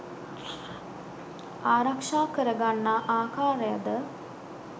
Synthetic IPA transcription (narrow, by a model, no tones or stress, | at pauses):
aːɾakʂaːkəɾəɡanːaʔaːkaːɾəjad̪ə